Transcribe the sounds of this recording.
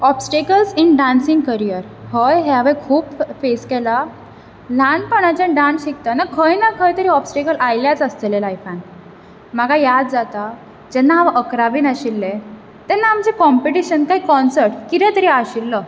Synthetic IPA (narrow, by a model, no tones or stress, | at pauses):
ɔpsʈekəlsinɖãnsiŋɡkəɾijəɾ | həjɦɛaʋekʰuːpfeskɛla | l̤anpəɳ̃at͡ɕãɖãnsɕikt̪anakʰəjnakʰəjt̪əɾiːɔpsʈekəlʔajljat͡səst̪elelajfãn | m̤aɡʱajad̪d͡zat̪a | d͡ʑɛnːaaʋaʔəkɾaʋiːnaɕilːe | t̪ɛnːaːmd͡zekɔmpeʈiɕənkaɦikɔnsəɾʈkiɾɛ̃t̪əɾiaɕilːə